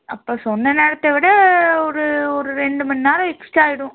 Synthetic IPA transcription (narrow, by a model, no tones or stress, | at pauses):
ɐpːoːsɔnːɐneːɽɐt̪ːɐʋɪɽɐɔɾɯɔɾɯɾɛɳɖɯmɐnːɪnaːlɐ̃ɛksʈaːjɪɽʊ̃